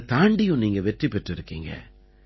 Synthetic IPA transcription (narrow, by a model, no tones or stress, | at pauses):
t̪aːɳɖɪjʊ̃niːŋɡɐʋɛʈripːɛʈːɪɾɯkːiːŋɡɐ̰